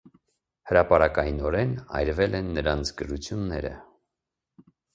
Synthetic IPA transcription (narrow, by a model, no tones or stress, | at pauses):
həɾɑpɑɾɑkɑjinɔɾɛnɑ̰jɾvɛlɛnːəɾɑnt͡sʰɡəɾut͡sʰjunːɛɾə̰